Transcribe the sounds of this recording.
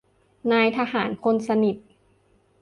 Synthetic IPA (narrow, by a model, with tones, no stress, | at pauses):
naː˧jt̪ʰaː˧haː˩˦nkʰo˧nsa˧ni˨˩t̪̚